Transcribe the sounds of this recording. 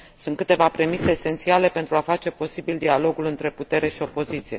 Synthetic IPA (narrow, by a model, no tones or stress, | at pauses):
sunt̪̚kɨt̪e̞vapɾe̞mise̞ːse̞nt̪siale̞pe̞nt̪ɾuafat͡ʃe̞po̞sibild̪ialo̞ɡulɨnt̪ɾe̞put̪e̞ɾe̞ʃio̞po̞zit̪sije̞